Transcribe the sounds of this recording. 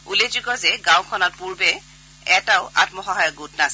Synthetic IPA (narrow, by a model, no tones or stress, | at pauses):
ulezukɔzɛɡãwkʰɔnɔt̚puɹbɛ | ɛtaʊʔa̰tmɔxɔɦajɔɡutnas